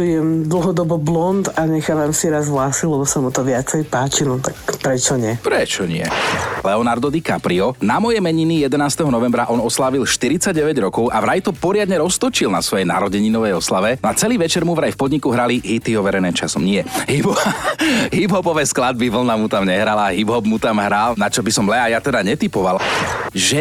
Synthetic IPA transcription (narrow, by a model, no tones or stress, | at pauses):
jɛmd̪l̩ˠɦɔd̪ɔbɔblɔnt̪aɲɛxaːʋamsiɾazɦlaːsilɛbɔsamut̪ɔʋɪat͡sɛjpaːt͡ʃinɔt̪akpɾɛt͡ʃɔɲɪɛpɾɛt͡ʃɔɲɪɛ̰lɛɔnaɾd̪ɔd̪ikapɾiɔnamɔjɛmɛɲinijɛd̪ɛnaːst̪ɛɦɔnɔʋɛmbɾaʔɔnɔslaːʋilʃt̪iɾit͡saɟɟɛʋɛɟɾɔkɔʊʔaʋɾajt̪ɔpɔɾɪad̪ɲɛɾɔst̪ɔt͡ʃilnasʋɔjɛna̰ɾɔɟɛɲinɔʋɛjɔslaʋɛnɔat͡sɛliːʋɛt͡ʃɛɾmuʋɾajfpɔd̪ɲikuɦɾaliɦit̪iɔʋɛɾɛjnɛːmt͡ʃasɔmɲɪɛɦibɔʋaɦibɦɔbɔʋɛːsklad̪̚biʋl̩namut̪amɲɛɦɾalaɦibɦɔbmut̪amɦɾalnat͡ʃɔbisɔmlɛajat̪ɛd̪aɲɛt̪ipɔʋalʒɛ